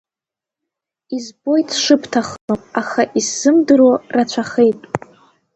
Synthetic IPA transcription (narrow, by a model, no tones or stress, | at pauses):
izbo̞jtʰʂɨpʰtʰaχəlomʼaχaʔisːɨmdɨrorat͡ɕʷʰaχejtʼ